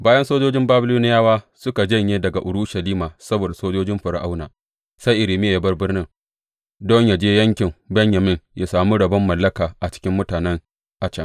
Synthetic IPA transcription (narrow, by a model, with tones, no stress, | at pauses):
baː˦jɐ˦nsoː˦d͡ʒoː˦d͡ʒɪ˦mbaː˦bɪ˦luː˦nɪ˦jaː˦waː˦ | sʊ˦ka˨d͡ʒɐ˦˨ɲjeː˦dɐ˨ɡa˨ʔʊ˨ɽʊ˦ʃɐ˨liː˦maː˨sɐ˦boː˨da˨soː˦d͡ʒoː˦d͡ʒɪ˦mɸɐ˨ɾa˨ʔa˦wnaː˨ | sa˦jʔɪ˨ɾɪ˨mɪ˦ja˨ja˦bɐ˦rbɪ˦rnɪ˦ŋ | dɔ˦ɲja˨d͡ʒeː˦jɐ˦ŋkʲɪ˨mbɛ˦ɲjɐ˨mɪ˦ŋja˨saː˨mu˦ɽɐ˨bɐ˦mːɐ˨lːɐ˦kaː˨ʔa˨t͡ʃɪ̥˦kʲɪ˦mːʊ˦taː˨nɛ˦ŋ | ʔa˨t͡ʃɐ˦˨ŋ